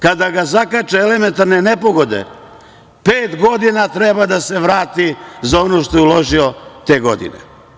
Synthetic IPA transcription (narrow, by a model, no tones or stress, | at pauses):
kad̪aɡazakat͡ʃeele̞ment̪aɾnene̞po̞ɡo̞d̪e̞̰ | peːt̪ɡo̞d̪inat̪ɾebad̪ase̞ʋɾaːt̪izao̞no̞ːʃt̪o̞jɛulo̞ʒio̞t̪e̞ːɡo̞d̪ḭnḛ